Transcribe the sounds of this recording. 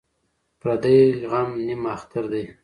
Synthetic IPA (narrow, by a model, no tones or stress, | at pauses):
pɾad̪ajɣamnimaxt̪aɾd̪e